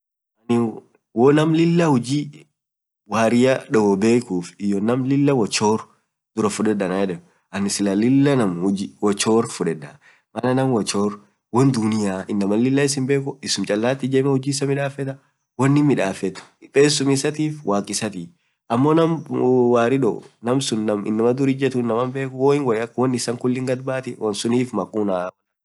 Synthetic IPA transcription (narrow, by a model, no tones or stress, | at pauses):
ʔɐnɪ | wonɐmlɪlːɐhʊd͡ʒiː | waːɾɪjɐᶑɔɡɔbe̞ːkuːfɪjɔnɐmlɪlːɐwɔt͡ʃːo̞ːɾ | d̪ʊɾɐfʊᶑɛᶑːɐnɐjɛᶑɛ | ʔɐnɪsɪlɐlɪlːɐnɐmhʊd͡ʒiwɔt͡ʃːoːɾfʊᶑɛᶑːɐ | mɐnɐnɐmwɔt͡ʃːoːɾ | wɐnd̪ʊnɪjaːʔɪnːɐmɐlɪlːɐɪs̬ɪmbe̞ːkʊɪsʊmt͡ʃʼɐlːaːt̪ːɪd͡ʒemɐhʊd͡ʒiːsɐmɪᶑaːfɛt̪ɐ | wɐnːɪmɪᶑaːfɛt̪ɐ̥ɪpʼeːsːʊmɪsɐt̪iːfwʔaːkʼɪsɐt̪iː | ʔɐmːoːnɐmwaːɾɪᶑɔ̰nɐmsʊnːɐmɪ̰nːɐmɐd̪ʊɾɪd͡ʒɛt̪ʊɪnːɐmɐmbe̞ːkʊwoːɪŋwɐɾɐkwɔnːɪsɐŋkʊlːɪŋɡɐd̪baːt̪ɪwʔɐnsʊniːfmɐkʼuːnaːɐ